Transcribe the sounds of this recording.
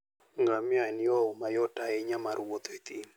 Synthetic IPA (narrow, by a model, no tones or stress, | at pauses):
ŋɡamjaniɔmajɔtaeɲamaɾwot̪et̪im